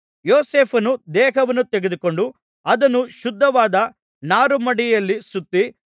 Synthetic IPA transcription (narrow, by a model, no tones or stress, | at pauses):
joːseːpʰɐnud̪ɛːɦɐʋɐnːut̪eɡed̪uko̞ɳɖu | ɐd̪ɐnːuʃud̪ʱːɐʋaːd̪ɐ | naːɾumɐɽijɐlːisut̪ːi